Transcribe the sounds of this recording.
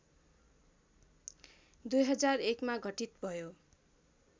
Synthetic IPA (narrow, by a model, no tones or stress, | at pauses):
d̪ujɦʌd͡zarekmaɡʱʌʈit̪bʱʌjo